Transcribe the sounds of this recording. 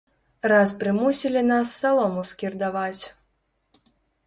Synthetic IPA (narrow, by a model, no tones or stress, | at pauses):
raspɾɨmusʲilʲinasːalˠɔmuskʲird̪avat͡sʲ